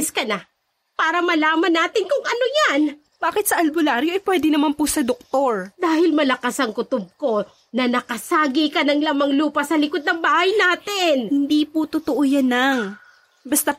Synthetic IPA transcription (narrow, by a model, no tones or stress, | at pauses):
skɐna | paːɾɐmɐlaːmɐnːaːt̪ɪnkʊŋɐnojan | b̥aːkɪt̪̚sɐʔɐlbʊlaːɾjoʔɐjpwɛːd̪ɛnɐmanpʊsɐd̪ok̚t̪o̞ɹd̪aːɦɪlmɐlɐkasɐŋkʊt̪ʊb̚ko̞ | nɐnɐkɐsaːɡɪkɐnɐŋlɐmɐŋluːpɐsɐlɪkod̪̚nɐŋbaːhɐjnaːt̪ɪnhɪnd̪iːpʊt̪ot̪oʔojanːaŋ | bɐst̪a